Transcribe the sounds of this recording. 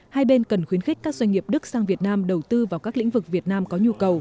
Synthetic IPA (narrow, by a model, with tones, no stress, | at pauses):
haː˧jɓe˧nkə˨˩nxwi˨˦ənxi˦˥k̟̚kaː˦˥k̚zwa˧jŋ̟ŋi˨˩əp̚ɗɨ˦˥k̚saː˧ŋvi˨˩ət̚naː˧mɗə˨˩wt̪ɨ˧vaː˨˩wkaː˦˥k̚lḭ̈˧˥ŋ̟vɨ˨˩k̚vi˨˩ət̚naː˧mkɔ˨˦ɲu˧kə˨˩w